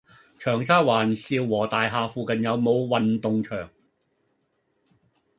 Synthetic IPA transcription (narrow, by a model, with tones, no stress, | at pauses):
t͡ʃʰœː˨˩ŋsaː˥waː˨˩nsiː˧wwɔː˨˩t̪aː˨jɦaː˨˧fuː˨˧kɐ˨njɐ˨˧wmo˨˧wwɐ˨nt̪ʊ˨ŋt͡ʃʰœː˨˩ŋ